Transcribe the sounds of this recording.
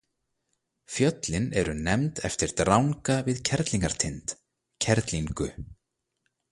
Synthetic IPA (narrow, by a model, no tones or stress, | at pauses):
fjœt̪lɪnɛɾʏnɛmt̪ɛft̪ɪɾ̥t̪ɾawŋkavɪðcʰɛɾt̪liŋkaɾ̥t̪ʰɪnt̪ | cʰɛɾt̪liŋkʏ̰